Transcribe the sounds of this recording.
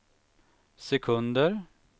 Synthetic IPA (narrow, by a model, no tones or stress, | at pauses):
sɛkʰʉnd̪əɾ